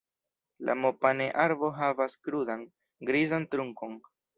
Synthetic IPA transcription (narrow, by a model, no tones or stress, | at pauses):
lʔa̰mopaneʔaɾbo̞ɦavaskɾudan | ɡɾizantɾuŋko̞n